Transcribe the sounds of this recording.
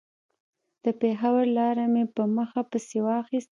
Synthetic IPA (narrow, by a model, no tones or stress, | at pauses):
d̪̥əpexawəɾlɑɾamepəməxapəsewɑxist̪